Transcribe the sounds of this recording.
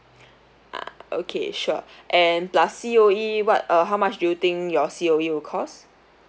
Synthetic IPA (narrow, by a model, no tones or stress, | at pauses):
ʔa̰o̰kʰḛʃuʔɛ̃nplasːioiwɔt̚ʌɦaʊwmat͡ʃdujut̪ɪ̃ŋkjɔsioiwɪkʰɔs